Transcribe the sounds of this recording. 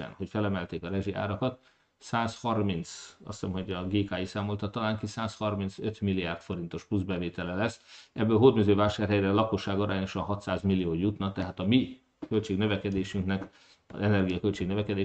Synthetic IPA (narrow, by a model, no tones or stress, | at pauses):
ɛ̰nho̞cfɛlɛmɛlt̪eːkɒɾɛʒia̰ːɾɒkɒt̪ | saːshɒrmint̪sɒ̰ssɛmho̞ɟɒɡeːkaːjisaːmo̞lt̪ɒt̪ɒlaːŋkisaːshɒrminsø̞t̪milːijaːrt̪fo̞ɾint̪o̞ʃpluzbɛveːt̪ɛlɛlɛsɛbːøːlɦod̪myzøːvaːʃaːrɦɛjɾɛlɒkoʃːaːɡoɾaːɲo̞ʃɒnɦɒt̪saːzmilːijoːjut̪nɒt̪ɛɦaːt̪ɒmi | kølt͡ʃeːɡnø̞vɛkɛd̪eːʃyŋknɛk | ɒ̰zɛnɛrɡijɒkølt͡ʃeːɡnøvɛkɛd̪eː